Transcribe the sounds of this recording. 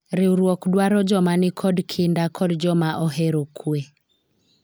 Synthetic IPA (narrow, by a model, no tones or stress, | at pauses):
ɾɪuɾwɔkdwaɾɔd͡ʒɔmanɪkʰɔdkʰindakʰɔdd͡ʒɔmaʔɔɦɛɾokʰue